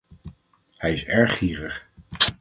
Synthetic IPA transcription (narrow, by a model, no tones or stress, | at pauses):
hɛjɪsɛɹχiːrəχ